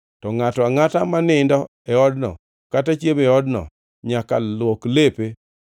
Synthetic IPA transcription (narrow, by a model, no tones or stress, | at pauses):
tɔŋatɔaŋatamanɪndɔ | ɛɔdnɔ̰ | katat͡ʃemɛɔdnɔ̰ | ɲakawoklepe